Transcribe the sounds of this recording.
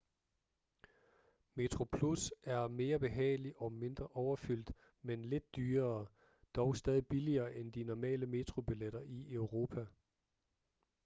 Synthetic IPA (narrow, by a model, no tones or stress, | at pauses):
me̝t͡sʰʁo̝pʰlusʔæɐme̝ːɐb̥e̝ɦɛ̰ːɪliʔɒ̽me̝nd̥ʁɐʔɒʊɐfyl̰d̥ | menle̝d̥̚ːyːɐː | d̥ɒʊsd̥ɛːð̞ˠib̥iliɐːʔend̥inɒmɛ̰ːləme̝t͡sʰʁo̝b̥ileɾ̥ɐʔiœʊʁo̝ːpʰæ